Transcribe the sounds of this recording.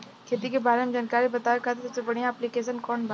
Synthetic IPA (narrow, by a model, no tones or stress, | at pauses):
kʰeːt̪ikebaːɾemed͡ʒaːnkaːɾibɐt̪aːekʰaːt̪et̪ʊpsebɐɽ̤ijãːplikeːs̬ənkɔːnbə